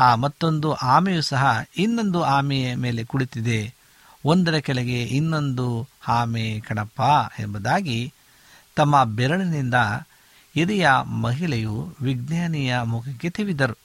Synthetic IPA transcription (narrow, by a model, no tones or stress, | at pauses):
aːmɐt̪ːo̞nd̪uʔaːmɛjusɐɦɐinːo̞nd̪uaːmijɐme̞ːle̞kuɭit̪id̪e̞ | ond̪ɐɾɐkɛɭeɡe̞ʔinːo̞nd̪uhaːmekɐɳɐpːaembɐd̪aːɡi | t̪ɐmːɐbɛɾɐɭɐnind̪ɐ | iɾijɐmɐɦiɭɐjuʋiɡnjaːnijɐmukʰɐkːe̞t̪iʋid̪ɐɾu